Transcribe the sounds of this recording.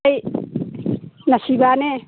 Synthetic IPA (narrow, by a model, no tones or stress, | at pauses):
j | nasibane